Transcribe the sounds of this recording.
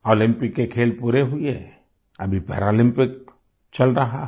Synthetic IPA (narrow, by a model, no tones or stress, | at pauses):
oːlɪ̃mpɪkːekʰeːlpuːɾeɦʊiɛ | ɐbʱipɛ̰ːɾaːlɪ̃mpɪk̚ | t͡ʃɐlɾɐɦa